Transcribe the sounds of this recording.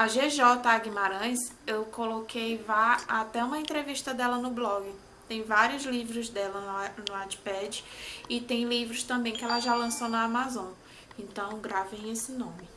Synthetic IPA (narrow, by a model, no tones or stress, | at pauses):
ɐʒeʒɔt̪ɐaɡimaɾɐ̃j̃sewkolokʰejvaat̪ɛũmɐẽnt̪ɾeviʃt̪ɐd̪ɛlɐnʊblɔɡɪ | t̪ẽj̃vaɾjʊzlivɾʊzd̪ɛlɐnʊad͡ʒpɛd͡ʒɪɪt̪ẽj̃livɾʊst̪ɐ̃mbẽj̃kɪɛlɐʒalɐ̃sownɐamazõ | ẽnt̪ɐ̃w̃ɡɾavẽj̃esɪnõmɪ